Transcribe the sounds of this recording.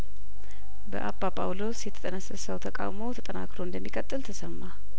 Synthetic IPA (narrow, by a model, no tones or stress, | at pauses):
bə̰ʔabapʰʼa̰wlo̞sjɛt̪ʰət̪ʼənəsəsəwt̪ʰəkʼa̰wmo̞t̪ʰət̪ʼəna̰kɾoɨnd̪əmːikʼət̪ʼːɨlt̪ʰəsəmːa